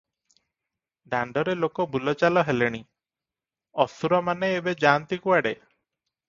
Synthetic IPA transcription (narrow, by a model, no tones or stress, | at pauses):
ɖaɳɖɔɾelokɔbulɔt͡ʃalɔɦeleɽ̃i | ɔsuɾɔmaneːbed͡ʒant̪ikuaɽe